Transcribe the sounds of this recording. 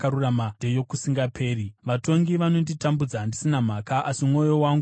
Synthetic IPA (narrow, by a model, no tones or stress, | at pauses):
kaɾuramadejo̞kusiŋɡapʰe̞ːriʋato̞ŋɡiʋano̞nditambud͡zaɦːndisinam̤akaʔasimŋo̞jo̞waːŋɡu